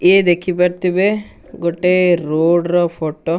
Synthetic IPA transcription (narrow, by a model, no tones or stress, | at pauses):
eːd̪ekʰːibɐɾt̪iʋe | ɡoʈːeɾoːɖɾɔpʰoʈːo